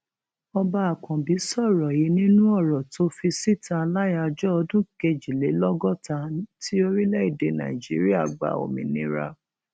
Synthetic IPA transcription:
ɔ˧ba˧a˨kɔ̃˨bi˨˦sɔ˦˨ɾɔ˨ji˨˦nĩ˦nũ˦ɔ˦˨ɾɔ˨to˦fi˧si˦tã˧la˦ja˧d͡ʒɔ˦ɔ˧dũ˦ke˧d͡ʒi˨le˨˦lɔ˦ɡɔ˦˨ta˧ti˦o˧ɾi˦lɛ˦i˦˨de˨nã̰˨i˨d͡ʒi˨˦ɾi˦a˦˨ɡ͡ba̰˨o̰˨mĩ˨nĩ˧˦ɾa̰˧

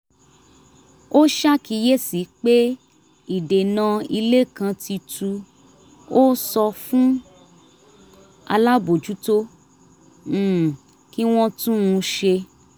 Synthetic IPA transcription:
o˦ʃa˦ki˧˦je˦si˨˦k͡pe˦ | i˨de˨nã˧i˧le˦˨kã˧tʰi˧tʰu˧ | o˦sɔ˧fũ˦ | a̰˧la˦bo˨d͡ʒu˨˦to˦˨ | ki˦w̃ɔ̃˦tũ˦ũ˧ʃe˧

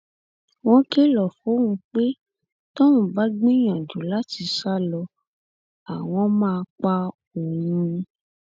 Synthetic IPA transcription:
w̃ɔ̃˧ke˦lɔ˨fo˨˦wũ˧k͡pe˦ | tɔ̃˦wũ˨ba˨˦ɡ͡bĩ˦j̃ã˨d͡ʒu˨˦la˦ti˨˧ʃa˦˨lɔ˧ | a˨w̃ɔ̃˧mãː˦˧k͡pa˧ | o˨jĩ˧

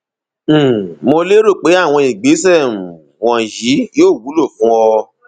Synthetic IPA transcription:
mo˧le˦ɾu˦˨k͡pe˨˦a˦˨w̃ɔ̃˧i˨ɡ͡be˨˦sɛ˦˨ | wɔ̃˨ji˨˦joː˦˨wu˨˦lo˦˨fũ˨˦wɔ˧

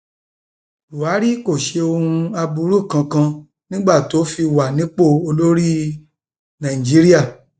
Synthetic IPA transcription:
u˨a˨˦ɾi˦ko˦˨ʃe˧o˧hũ˧a˧bu˧˦ɾu˦˨kã˧kã˧ | nĩ˦ɡ͡ba˦˨to˨˦fi˧wa˨nĩ˨˦k͡po˦˨o˧lo˦ɾi˦ | nã˨ĩ˨d͡ʒi˨˦ɾi˦a˦˨

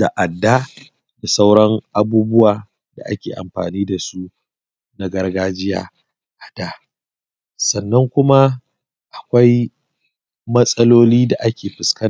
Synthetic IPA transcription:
da̰˨ʔa˨dːa˦ | da˨sa˦wɽɐ˦ŋʔa˨buː˦bʊ˦waː˨ | da̰˨ʔa˦kʲḛː˨ʔa̰˨mɸa̰ː˨niː˦da˨su˦ | na˦ɡɐ˦rɡaː˦d͡ʒɪ˦ja̰ː˨ | ʔa˨d̥aː˦ | sɐ˨nːɐ˦ŋkʷʊ˦ma˦ | ʔa˨kʷa˦j | mɐ˦sʼɐ˦loː˦liː˦da˨ʔa˦kʲeː˨ɸɪ˨skɐ˦n˨

